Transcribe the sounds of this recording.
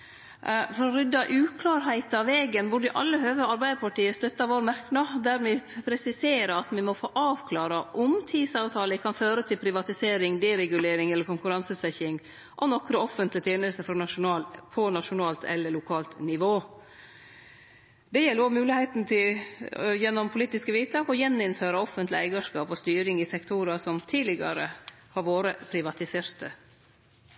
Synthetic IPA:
fɔɾɔɾʏd̪ːɑʔʉːkʰlɑːɾɦæɪt̪ɑʋeːɡənbʊɖɪʔɑ̰lːəhøːʋəɑɾbæɪd̪əpʰɑʈiːəst̪œt̪ːɑʋoːɾmɑɾknɑd̪æɾmɪpʰɾɛsɪseːɾəɑt̪mɛmɔfoːʔɑːʋkʰlɑːɾɑʔʊmt̪ʰiːd̪sɑːʋt̪ʰɑːləkʰɑnføːɾət̪ʰɪlpʰɾɪʋɑt̪ɪseːɾɪŋd̪ɛɾɛɡʉleːɾɪŋɛlːəɾkʊŋkʉɾɑnsʉːt̪sɛçɪŋ | ʔɔnɔkɾəɔfːənt̪lɪt̪ʰjeːnəlst̪əfɔɾnɑʂʊnɑːlpʰɔnɑʃʊnɑːlt̪ʰɛ̰lːəɭʊkʰɑːlt̪nɪʋoː | d̪ɛjɛlːəɾoːmʉːlɪhɛɪt̪nt̪ʰɪljɛnːɔmpʰʊliːt̪ɪskəʋiːt̪ɑːkɔjɛnːɪnføːɾəɔfːənt̪lɪæɪɡɑʂkɑːpɔst̪yːɾɪŋɪsɛkt̪ʰuɾɑsɔmt̪ʰiːlɪɡɑ̰ɾə | hɑɾʋoːɾəpʰɾɪʋɑt̪ɪseːɾt̪ə

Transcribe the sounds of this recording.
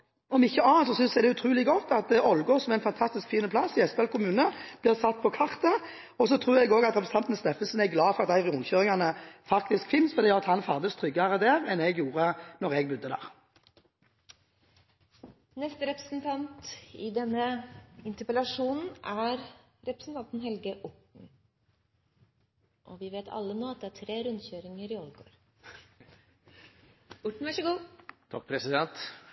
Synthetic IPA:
ɔmɪçːəɑːnt̪sɔsʏnsd̪ɛd̪ɛʉt̪ʰʁʉːlɪɡɔt̪ːɑt̪̚d̪ɛɔlɡoːsɔmɛɪnfɑnt̪ʰɑst̪ɪskfiːnəpʰlɑsɪɛspɑːlkʰʊmʉːnəb̥lɪːʁsɑt̪̚ːpʰɔkʰɑʁt̪ɑ | ɔsɔt̪ʰʁʉːʁɛɡoːɡɑt̪ʁɛpɾʁst̪ɑnt̪n̩snɛfəsɔnɛɡlɑːfɔʁɑt̪d̪æɪʁɪʊŋçøːʁɪŋɑnəfɑk̚t̪ɪskfɪnːsfɔʁd̪ijøːʁɑt̪hɑnfɑʁd̪əst̪ʰʁʏɡɑʁəd̪eːʁɛnɛɡjuːʁənɔʁɛɡ̚bʉd̪ːəd̪æ̰ːʁ | nɛst̪əɾɛpɾəsn̩t̪ʰɑnt̪ɪd̪ɛnːəɪnt̪əpəlɑʂuːnn̩ʔæɾ | ɾɛpɾəsn̩t̪ɑnt̪n̩ɦɛlɡəʔʊʈɳ̩ | ʔɔʋɪʋeːt̪ʰɑ̰lːənoːɑt̪̚d̪ɛæːʈʰɾeːɾʉnd̪çøːɾɪŋəɾɪɔlɡo̰ːɾ | ʊʈɳ̩ʋæʂəɡuːt̪ʰɔk̚pʰɾɛsɪd̪ɛnt̪

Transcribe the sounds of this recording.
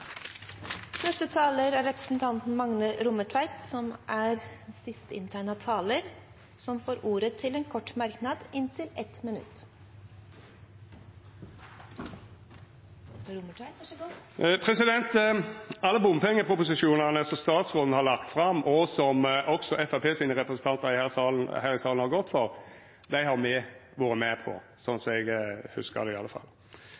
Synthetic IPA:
nɛst̪ət̪ʰɑːləɾæɾɛpɾə̥sn̩t̪ʰɑnt̪n̩mɑŋnəɾʊməʈʰʋæɪt̪sɔmʔæɾsɪst̪əɪ̰nt̪ʰæːɳɑt̪ʰɑːləɾ | sɔmfoːɾʔuːɾət̪ʰɪleːnkʰɔʈːmɑɾknɑd̪ɪnt̪ʰɪlɛt̪mɪnʉ̰t̪ː | pʰɾɛsɪd̪ɛnt̪ | ɑlːəbʊmpʰɛŋːəpʰʊpʊsɪʂuːnɑnəsɔmst̪ɑːt̪sʁoːln̩hɑɾlɑkt̪fʁɑmːʔɔsɔmʔɔksɔʔɛfæpʰeːsiːnəʁɛpɾəsən̩t̪ʰɑnt̪ɑɾɪhæːsɑln̩hæːɾɪsɑːln̩hɑɾɡɔt̪ːfɔɾ | d̪æɪhɑɾmɛʋoːɾəmɛpʰɔ̰ | sɔnsɔɛɡhʉ̰skə̰d̪ɛɪɑlːəfɑ̰lː

